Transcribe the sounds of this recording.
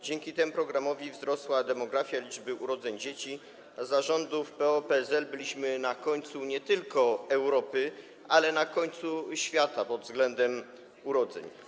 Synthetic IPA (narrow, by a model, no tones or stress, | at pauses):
d͡ʑɛŋkʲit̪ɛmupɾɔɡɾamɔvʲivzɾɔswad̪ɛmɔɡɾafʲjalʲid͡ʐbɘʔuɾɔd̪zɛɲd͡ʑet͡ɕi | zaʐɔnd̪ufpɛɔpɛzɛlbɘlʲiɕmɘnakɔɲt̪suɲɛt̪ɘlkɔɛwɾɔpɘ | ʔalɛnakɔɲt̪suɕfʲjat̪apɔd̪vzɡlɛnd̪ɛm | uɾɔd̪zɛ̰ɲ